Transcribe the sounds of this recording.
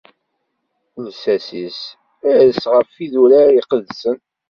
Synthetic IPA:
ðsæsis | æðəsʁəfiðuɾaiqəðsən

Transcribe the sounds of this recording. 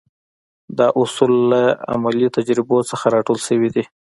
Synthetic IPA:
d̪ɑʔʊsulːaa̰malit̪ad͡ʒɾɪbot͡səxaɾɑʈolʃəwid̪i

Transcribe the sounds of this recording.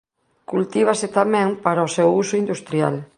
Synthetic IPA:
kult̪iβ̞aset̪amɛ̃ŋpaɾaosewusʊind̪ust̪ɾja̰l

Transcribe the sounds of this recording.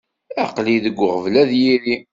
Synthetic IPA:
æqliðəɡʷːəʁəvlæðjiɾi

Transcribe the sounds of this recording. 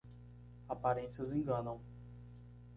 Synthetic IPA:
apaɾẽsiɐzẽŋɡɐ̃nɐ̃w̃

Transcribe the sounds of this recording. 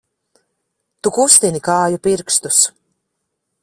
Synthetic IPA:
t̪ukust̪inikaːjupiɾkst̪us

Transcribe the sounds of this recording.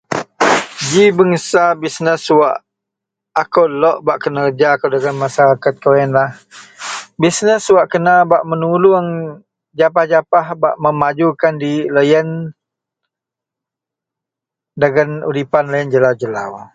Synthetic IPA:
d͡ʒibəŋəsabisnəswaʔ | akəwlɔʔbaʔkənəəd͡ʒakəwdəɡanmasaɾakat̪̚kawɛnlah | bisnəswaʔkənabaʔmənuluŋ | d͡ʒap̬ahd͡ʒapahbaʔməmad͡ʒukandiləjən | daɡanṵɾipanləjənd͡ʒəlawd͡ʒəla̰w

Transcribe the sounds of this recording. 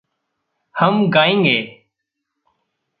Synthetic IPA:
həmɡaːĩːŋɡeː

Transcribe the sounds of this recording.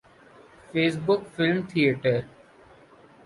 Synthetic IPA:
feːsbʊkfɪlmt̪ʰijəʈəɾ

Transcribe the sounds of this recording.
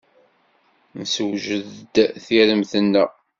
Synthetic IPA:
nəsəwʒəðd̪θiɾəmθənːə̰

